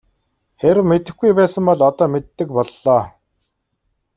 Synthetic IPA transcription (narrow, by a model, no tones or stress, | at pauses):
xeɾɘ̆wmet̪ɘ̆xɡujpæːsə̆mpɔɮɔt̪ɔːmet̪ːɘ̆k̚pɔɮːɔː